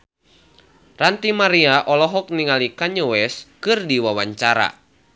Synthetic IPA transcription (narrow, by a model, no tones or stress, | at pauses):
rant̪imaɾiaʔɔlɔɦɔk̚niŋalikaɲowɛskɨrdiwawaɲt͡ʃaɾa̰